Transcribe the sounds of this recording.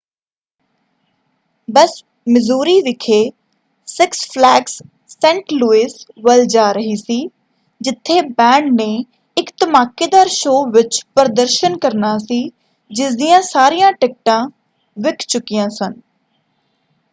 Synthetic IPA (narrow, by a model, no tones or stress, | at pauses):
bəs | mɪzuːɾiːʋɪkʰeː | sɪkspʰlɛːksː | ɛ̃ːɳʈluːiːsʋəld͡ʒaːɾəɦiːsiː | d͡ʒɪt̪ʰːeːbɛ̃ːɳɖnẽː | ɪkt̪əmaːkeːd̪aːɾʃoːʋɪt͡ʃpəɾd̪əɾʃənkəɾnaːsiː | d͡ʒɪsd̪ijãːsaːɾijãːʈɪk̚ʈãː | ʋɪkʰt͡ʃʊkːijãːsən